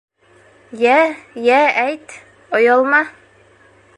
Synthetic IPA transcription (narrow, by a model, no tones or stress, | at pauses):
jæjææjt̪ | ojɑlˠmɑ